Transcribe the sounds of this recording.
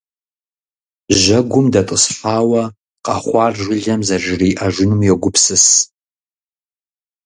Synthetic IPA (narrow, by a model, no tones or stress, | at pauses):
ʒɐɡʷʊmdɐtʼəsħaːwɐ | qɑχʷɑːrʒʷɪɮɐmzɐʒɪriːʔɐʒʷʊnumjɛɡʷʊpʰsɨs